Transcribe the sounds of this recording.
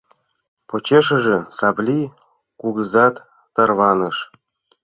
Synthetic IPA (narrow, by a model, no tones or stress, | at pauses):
pot͡ɕeʃə̆ʒĕsɑblʲi | kuɣɤzɑt̪ː | ɤ̆rβɑnɤ̆ʃ